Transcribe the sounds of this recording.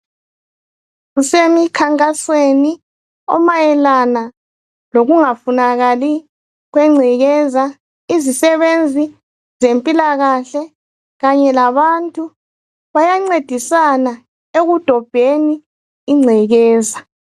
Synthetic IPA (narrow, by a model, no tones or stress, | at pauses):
ɣusemikʰaŋkʼasweni | ɔ̰majɛlana | loɣuŋafunaɣali | ɣwɛŋ͡ǀʱiɣɛza | izisɛβend͡zʱi | zempʼilaɣaɬɛ | ɣaɲɛlaβantʼu | βajaŋ͡ǀed̥ʱisana | eɣud̥ʱɔb̥ʱeniː | ŋ͡ǀʱiɣɛːza